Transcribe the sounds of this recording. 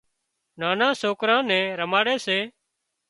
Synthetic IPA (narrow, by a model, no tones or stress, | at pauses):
naːnãːsoːkɾãːnɛ̃ːɾəmaːɽeːseː